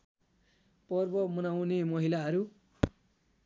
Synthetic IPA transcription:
pʌrbʌmʌnawnemʌɦilaɦʌɾu

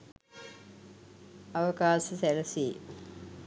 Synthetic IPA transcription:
aʋəkaːsəsælɐsiː

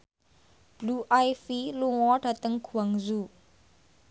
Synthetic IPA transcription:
b̥luʔajfiluŋɔɖ̥a̤t̪əŋɡ̥ṳaŋzu

